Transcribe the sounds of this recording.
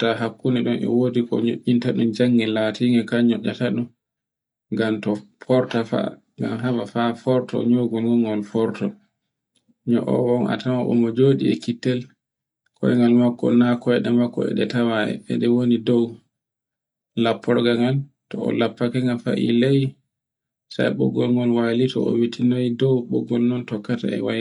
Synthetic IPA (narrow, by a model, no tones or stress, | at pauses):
taɦakːuniɗɔnɛ̰wodikɔ̰ɲoʔːintaɗund͡ʒaŋːɛlatiŋɡɛkaɲɔʔːataɗun | ŋɡamtɔpʰɔɾtafa̰ | ŋɡamɦabafafɔɾtɔ̰ɲoːɡulŋɔŋɡɔlfɔɾtɔ | ɲɔʔɔ̰wɔna̰tamaʔɔ̰mɔd͡ʒoːɗiɛkitːɛl | kʰɔ̰jɛŋɡalmakːɔ̰nakːɔɛɗɛmakːɔɛ̰ɗɛtawaɛ̰ɓɛ̰ɗɛwonidɔw | lapːɔɾɔɡaŋal | tɔɔ̰lapːakɛŋɡalfa̰ʔḭlɛj | sa̰jɓɔɡɔlŋɡɔlwalitɔ̰ɔ̰witʰinojidɔwɓɔɡːɔlnɔntɔkːata̰ɛ̰waj